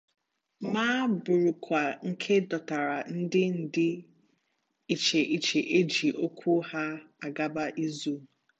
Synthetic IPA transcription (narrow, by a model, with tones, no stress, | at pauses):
maː˦bʊ˨ɾʊ˨kʷa˨ŋ̩˦kʰe˦dɔ˨ta˨ɾa˨n̩˦dɪ˦n̩˨dɪ˦ | i˨t͡ʃe˨ʔi˨t͡ʃe˨ʔe˦d͡ʒi˨ʔo˦kʷʰu˦ha˦a˨ɡa˦ba˦ʔi˦zu˦˨